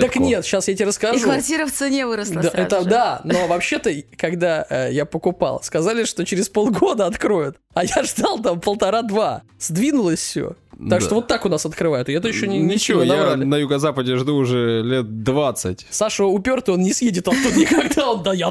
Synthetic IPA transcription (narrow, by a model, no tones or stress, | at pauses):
t̪əknʲe̞t̪ɕasjatʲeɾəskɐʐvɐrtʲiɾəft̪sɨnʲevɨɾəslˠd̪ɛt̪əd̪ano̞vɐpɕːe̞t̪əkɐɡd̪aəjapəkʊpa̰lˠskɐzalʲɪʂt̪o̞t͡ɕɪɾʲɪspo̞lˠɡo̞d̪əɐt̪kɾo̞jʊt̪ | ɐjaʐd̪alˠt̪ampəlˠt̪ɐɾad̪va | z̥ʲd̪vʲinʊlˠəsʲfsʲo̰t̪akʂt̪ovo̞t̪ːakʊnasɐt̪kɾɨvajʊt̪ɪɛt̪̬əjɪɕːonʲɪnʲːɪt͡ɕɪvojnabɾalʲɪnəjʊɡəzapədʲɪʐd̪uːʐɛlʲet̪̚d̪vat̪sɨtʲsaʂəʊpʲo̞rt̪əonnʲɪsjedʲɪt̪ɐt̪ːud̪nʲɪkɐɡd̪aond̪aja